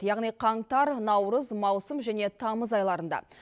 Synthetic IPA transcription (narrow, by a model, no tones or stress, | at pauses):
jɑʁnijqʰɑɴt̪ɑɾnɑwɾəzmɑwsəmʒæne̞t̪ʰɑməzɑjlˠɑɾənd̪ɑ̰